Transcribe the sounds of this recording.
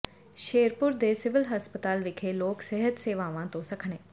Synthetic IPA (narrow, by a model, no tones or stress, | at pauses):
ʃeːɾpʊɾd̪eːsɪʋɪlɦəspət̪aːlʋɪkʰeːloːksɛɦət̪seːʋaːʋãːt̪õːsəkʰɳeː